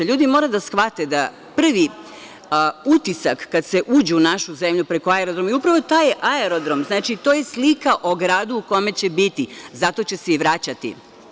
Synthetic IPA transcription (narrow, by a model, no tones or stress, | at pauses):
ʎuːd̪imo̞ːɾad̪asxʋat̪e̞d̪a | pr̩ʋi | ut̪isakːad̪se̞ʔuːd͡ʑeunaʃuze̞mʎupɾe̞ko̞aeɾod̪ɾo̞miupɾaʋo̞t̪aːjeʔaeɾo̞d̪ɾo̞mznaːt͡ʃit̪o̞ːje̞slikaʔo̞ɡɾaːd̪uːko̞me̞t͡ɕe̞bit̪izat̪o̞t͡ɕe̞se̞iʋɾat͡ɕat̪ḭ